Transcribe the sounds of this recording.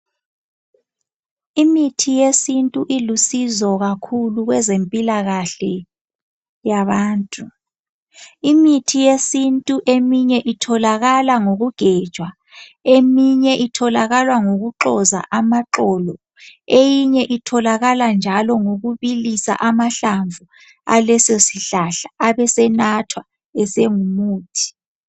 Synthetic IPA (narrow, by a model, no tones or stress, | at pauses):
imitʰijesintʼuʔilusizɔɣakʰuluɣwɛzempʼilaɣaɬɛ | jaβaːntʼu | imitʰijesintʼuʔemiɲɛʔitʰɔlaɣalaŋoɣuɡ̥ʱɛːd̥ʒ̥ʱwa | emiɲɛʔitʰɔlaɣalwaŋoɣuǃɔza̰ʔamaǁɔːlɔ | ejiɲɛʔitʰɔlaɣaland͡ʒʱalɔŋoɣuβilisa̰ʔamaɬaɱvu | a̰lɛsosiɬaɬḁːβɛsɛnatʰwa | ɛseŋumuːtʰi̥